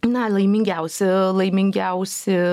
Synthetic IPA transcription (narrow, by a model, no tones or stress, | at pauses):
nɐlˠɐɪmʲɪŋʲɡʲɛʊsʲɪlˠɐɪmʲɪŋʲɡʲɛʊsʲɪ